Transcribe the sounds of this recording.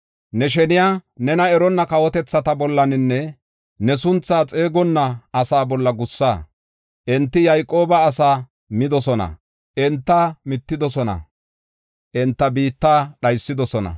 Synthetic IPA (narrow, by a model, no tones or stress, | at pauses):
nɛʃ̬ɛnɪjaːnɛnɐɛɾɔnːɐkɐwɔt̪ɛt͡sːɐt̪ɐbɔlːɐnɪnːɛ | nɛsʊnt͡sːaːt͡sʼe̞ːɡɔnːɐʔːsaːbɔlːɐɡʊsːaː | ʔɛnt̪ːɪjɐjkʼo̞ːbɐːsaː | mɪd̪ɔsɔnɐ̰ | ʔɛnt̪ːaːmɪt̪ːɪd̪ɔsɔnɐ̰ | ʔɛnt̪ːɐbiːt̪ːaːɗɐjsːɪd̪ɔsɔnɐ̰